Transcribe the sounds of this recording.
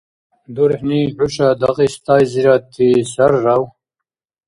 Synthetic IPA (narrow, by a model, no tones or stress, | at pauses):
d̪uɾeħniħuɕad̪aqist̪aːjziɾat̪isaɾːaw